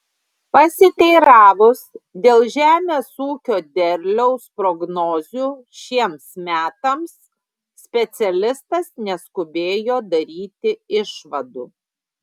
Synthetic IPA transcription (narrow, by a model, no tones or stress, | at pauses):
pɐsʲɪt̪ʲɛɪɾɑːʋʊsd̪ʲeːlˠʒʲæːmʲeːsuːkʲoːd̪ʲɛɾʲlʲɛʊspɾɔɡnɔːzʲuː | ʃʲiɛmsmʲæːt̪ɐmsːʲ | pʲɛt̪sʲɛlʲɪst̪ɐsnʲɛskʊbʲeːjoːd̪ɐɾʲiːt̪ʲɪɪʃʋɐd̪ṵː